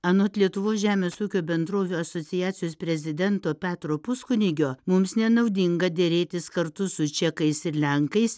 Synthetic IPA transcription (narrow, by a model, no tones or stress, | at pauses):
ɐnoːt̪lʲiɛt̪ʊʋoːsʒʲæːmʲeːsuːkʲoːbʲɛnd̪ɾoːʋʲuːɐsoːtsʲɪjæːt̪sʲɪjoːspʲɾʲɛzʲɪd̪ʲɛnt̪oːpʲæːt̪ɾoːpʊskʊnʲɪɡʲoːmʊmsnʲɛnɐʊd̪ʲɪŋɡɐd̪ʲɛɾʲeːt̪ʲɪskɐɾt̪ʊsʊt͡ʃʲɛkɐɪsɪɾlʲɛŋkɐɪs